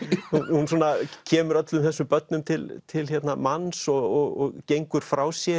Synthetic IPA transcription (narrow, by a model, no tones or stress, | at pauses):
huhunsuːnacʰɛːmʏɾœt̪lʏmθɛsːʏmpœt̪̚nʏmt̪ʰɪlt̪ʰɪlçɛt̪namansɔɔɣɔ̰ɣcejŋkʏɾ̥fɾaːwsjɛ